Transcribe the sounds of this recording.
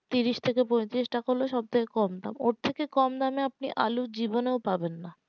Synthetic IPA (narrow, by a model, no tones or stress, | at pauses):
t̪iɾiʃt̪ʰekepɔ̃jt͡ɕɾiʃʈakɦoloʃɔb̚t̪ʰeekɔmd̪a̰moɾt̪ʰekekɔmd̪ameap̚niʔa̰lud͡ʑiboneopabenːa